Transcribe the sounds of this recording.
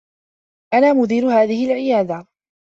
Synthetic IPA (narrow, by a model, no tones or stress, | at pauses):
ʔanaːmʊd̪iːɾʊhaːðɪhɪlʕɪjaːd̪a